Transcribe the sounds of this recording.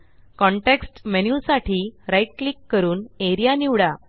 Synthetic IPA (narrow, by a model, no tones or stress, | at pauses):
kɔ̃ɳʈeksʈmenjusaʈʰiːɾajʈ̚klikːəɾuːneɾijaniʋɽa